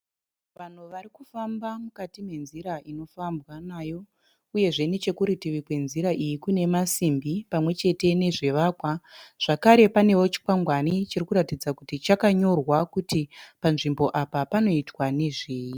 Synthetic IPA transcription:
ʋan̤uʋarikufambamukatime̞nziɾaʔino̞fambwanaːjo̞ | uje̞ʐe̞net͡ʃe̞kuɾitiʋikwe̞nziɾaʔijikune̞masimbipamwe̞t͡ʃe̞te̞ne̞ʐe̞ʋaːkwaʐ̥akaɾe̞pane̞wo̞t͡ʃi̥kwaŋɡwanit͡ʃirikuɾatid͡zakutit͡ʃakaɲo̞rwakutipanʐimbo̞ʔapapano̞itwane̞ʐeːji

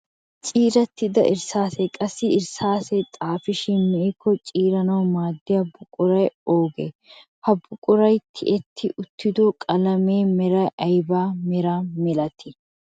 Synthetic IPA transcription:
t͡ʃʼiːɾɐt̪ːɪd̪ɐ̰ʔɪɾsaːsekʼɐsːɪɪɾsaːset̪ʼaːfɪʃɪnmɛkʰːɔt͡ʃʼiːɾɐnɐwmaːd̪ːɪjɐbʊkʼʊɾɐjoːɡḛː | hɐbʊkʼʊɾɐjt̪ʰɪ̰ʔɛt̪ʰːɪʔʊt̪ʰːɪd̪oːkʼɐlɐmeːmɛɾɐjʔɐjbaːmɛɾaːmɛlɐt̪ʰɪ

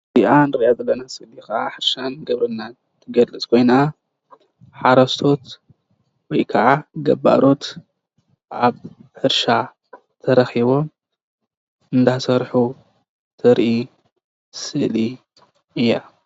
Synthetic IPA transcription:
ziʔanɨɾʔazɐlːɐnasɨlikɐʔaħɨɾʃanɡɐβɾɨnːa | t̪ʰɨɡɐlɨt͡sʼkʰo̞jna | ħaɾɐst̪ʰo̞t̪ | wɔjkʰɐʕaɡɐbːa̰ɾo̞t̪ | ʔaβħɨɾʃa | t̪ʰɐɾɐxiβo̞m | ɨnd̪asɐɾħu | t̪ʰɨɾʔi | sɨʔli | ɨjːa

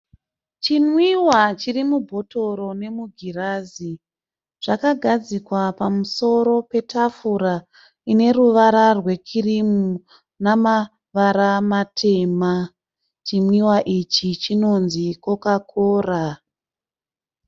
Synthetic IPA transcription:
t͡ʃinwiwat͡ʃirimubʱo̞to̞ɾo̞ne̞muɡʱiraːzi | ʐ̥akaɡʱad͡zikwapamuso̞ɾo̞pe̞tafuɾa | ine̞ruʋaɾarwe̞kʰirimu | nama | ʋaɾamatʰe̞ma | t͡ʃimwiwaʔit͡ʃit͡ʃino̞nzikokakʰoːra

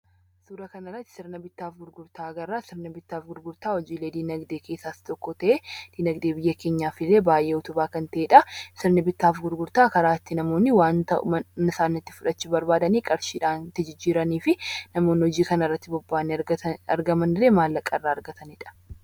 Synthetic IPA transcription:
suːɾɐkɐnɐrːɐt̪ːɪ̥sɪɾnɐbɪt̪ːaːfɡʊɾɡʊɾt̪aːɡɐrːaːsɪɾnɐbɪt̪ːaːfɡʊɾɡʊɾt̪aːhɔd͡ʒiːle̞ːd̪iːnɐɡd̪eːkeːsːaːst̪ɔkːɔt̪ɐʔeːd̪̥iːnɐɡd̪e̞ːbɪjːɐke̞ːɲːaːfɪlːeːbaːjʔeːɔt̪ʊbaːkɐnt̪ɐʔeːᶑɐsɪɾnɐbɪt̪ːaːfɡʊɾɡʊɾt̪aːkɐɾaːɪt̪ːɪnɐmo̞ːnːɪwaːnt̪ɐʔnɪsaːnːɐt̪ːɪ̥fʊᶑɐt͡ʃːɪbɐɾbaːd̪ɐniːkʼɐɾʃiːᶑaːnt̪ɪd͡ʒɪd͡ʒːiːɾɐniːfɪnɐmo̞ːnːɪhɔd͡ʒiːkɐnɐrːɐt̪ːɪbɔbːaːnːɪɐ̰ɾɡɐmɐnɪɾeːmaːlːɐkʼːɐrːaːɐɾɡɐt̪ɐnɪᶑɐ̥

